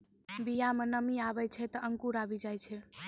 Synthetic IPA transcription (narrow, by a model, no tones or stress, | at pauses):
bijamənəmiabəjt͡ʃʰɛt̪ɔəŋkuɾabid͡ʒajt͡ʃʰɛ